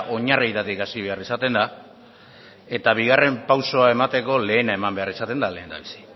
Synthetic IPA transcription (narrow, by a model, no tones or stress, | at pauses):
ʔo̞ɲarijt̪at̪ikasiβe̞arisat̪e̞nd̪a | e̞t̪aβiɣare̞mpawso̞ae̞mat̪e̞ko̞le̞ːnae̞mambe̞arisat̪e̞nd̪ale̞ːnd̪a̰βisi̥